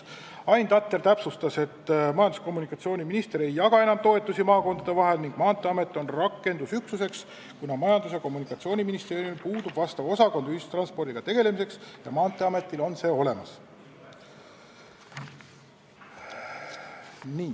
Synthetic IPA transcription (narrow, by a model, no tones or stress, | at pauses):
ɑjnt̪ɑt̪ːˑe̞rt̪æpsust̪ɑse̞t̪ːmɑjɑnd̪u̥sko̞mːunikːˑɑt̪sio̞ːnʲiminist̪e̞ɾe̞jːɑɡ̥ɑe̞nɑmt̪o̞e̞t̪ːˑusimɑːko̞nd̪̥ɑd̪e̞vɑɦe̞lniŋɡ̥mɑːnt̪ˑːe̞ɑme̞t̪ːˑo̞nrɑkːˑe̞nd̪usyksuse̞ks | kunɑmɑjɑnd̪us̬eko̞mːunikːˑɑt̪sio̞ːnʲiminist̪eːɾjumipuːd̪ub̥vɑst̪ɑvo̞sɑko̞nd̪yst̪rɑnspo̞rd̪iɡ̥ɑt̪e̞ɡ̥e̞le̞mise̞ksjɑ̰mɑːnt̪ːˑe̞ɑme̞t̪ːˑilo̞nse̞ːo̞le̞mɑs | niː